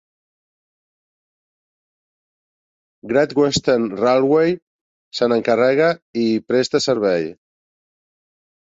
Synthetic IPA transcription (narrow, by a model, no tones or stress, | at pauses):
ɡɾat̪ɡwest̪enralˠwej | sənəŋkarɛɣaipɾest̪əsəɾβɛj